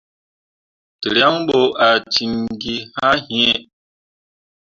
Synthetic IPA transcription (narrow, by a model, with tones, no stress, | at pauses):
tə˨ɾja˦ŋɓo˨a˨t͡ʃi˨nɡi˦ha˦he˦